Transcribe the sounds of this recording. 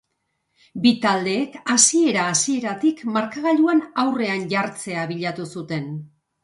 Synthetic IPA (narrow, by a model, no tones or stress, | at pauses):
bit̪ald̪e̞ːkasie̞ɾaːsie̞ɾat̪ikmaɾkaɣaʎuanawre̞anʝaɾt͡se̞aβiʎat̪usut̪e̞n